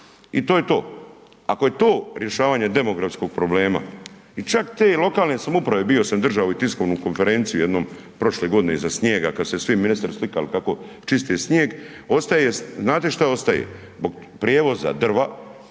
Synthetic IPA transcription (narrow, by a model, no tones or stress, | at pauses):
it̪o̞ːjet̪o̞ː | a̰koje̞t̪o̞ːɾje̞ʃaːʋaːɲe̞d̪e̞mo̞ɡɾafsko̞ɡ̥̚pɾo̞ble̞ːma̰ | it͡ʃakt̪eːlˠo̞kaːlˠne̞samoupɾaʋe̞bio̞samd̪r̩ʒaʋouit̪isko̞ʋnukonfe̞ɾeːnt̪sijuje̞d̪noːm | pɾo̞ʃle̞ɡo̞d̪ine̞̰izasɲjeːɡakad̪sesʋiminist̪aɾslikalikako̞ | t͡ʃist̪iesɲeːɡ | o̞st̪ajeeznaːt̪e̞ʃt̪ao̞st̪ajḛ | zbo̞ɡ | pɾjeːʋo̞za̰d̪r̩ʋa